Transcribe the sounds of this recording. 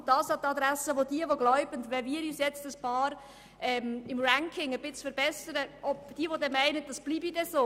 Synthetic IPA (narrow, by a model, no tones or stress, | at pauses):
d̥ɑːsɑt̪ɑd̪ɾæsəʋodiəʋoɡlɔʊbəntʋɛmiːəɾyːsjɛt͡stəspʰɑːɾ | ʔɛmɪmræŋkʰɪŋəbɪt͡sfəɾbɛsəɾəʔɔb̥d̥iəʋodɛmæɪnəd̥ɑsb̥liːbid̥ɛsoː